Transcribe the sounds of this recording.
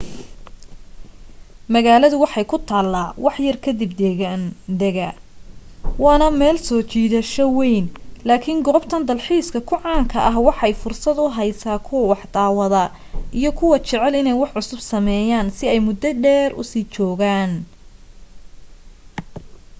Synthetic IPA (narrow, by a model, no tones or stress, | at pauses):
mɐɣaːlɐðʊwɑħɑjkʰʊt̪ʰaːlːaːwɑħjɐrkʰɐd̪ɪbd̪ɛɣaːnd̪ɛɣɐ | wɑːnɐmɛːlsɔːt͡ʃiːðɐʃɔwɛjnlaːkʰiŋɡɔːbt̪ʰɐnd̪ɐlħiːskʰɐkʰʊʕɑːŋkʰɐʔɐɦwɑħɛjfʊrsɐd̪ʊɦɐjsaːkʰʊwɐwɑħd̪̥aːwɐðɐ | ʔijɞkʰʊwɐt͡ʃɛʕɛlɪnɛjwɑħʕʊsʊbsɐmɛːjaːnsɪɛjmʊd̪ɐɖɛːrʊ̰siːt͡ʃɔːɣaːn